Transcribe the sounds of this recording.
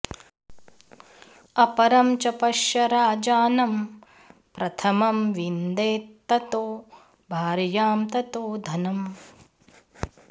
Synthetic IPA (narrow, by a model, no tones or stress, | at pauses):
ɐpɐɾɐmt͡ʃɐpɐʃjɐɾaːd͡ʒaːnɐm | pɾɐt̪ʰɐmɐmʋind̪eːt̪ːɐt̪oː | bʱaːɾjaːmt̪ɐt̪oːd̪ʱɐnɐm